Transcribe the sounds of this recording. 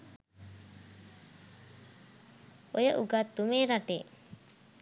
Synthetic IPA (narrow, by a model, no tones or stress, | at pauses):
ojəʔuɡat̪ːumeːɾaʈḛː